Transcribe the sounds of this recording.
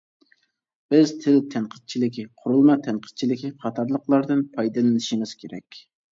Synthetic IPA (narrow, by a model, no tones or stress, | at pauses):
b̥ɪzt̪ʰɪlt̪ʰɛnqʰə̥t̪̚t͡ʃʰilɪkʲiqʰʊɾulˠmɑt̪ʰɛnqʰə̥t̪̚t͡ʃʰilɪkʲiχɑt̪ʰɑɾlˠəqlˠɑɾd̪ɨnpʰɑjd̪ɨlˠɨnɪʃiŋɪz̥kʲʰeɾɛ̰kʲ